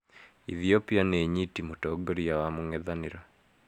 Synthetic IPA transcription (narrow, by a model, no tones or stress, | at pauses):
iðiopianeɲitimutɔɡoɾiawamoŋɛðaneɾa